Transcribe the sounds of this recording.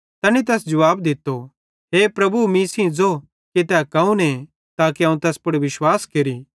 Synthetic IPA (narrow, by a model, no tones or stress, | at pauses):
t̪ɐnit̪̬ɛːsd͡ʒɐʋaːbd̪ɪt̪ːo | ɦeːpɾɐbumiːsĩd͡zo | ket̪ɛːkɐ̃ũnẽ | t̪aːkiɐːũt̪ɛːspʊɽiʋɪʃwaːskeɾiː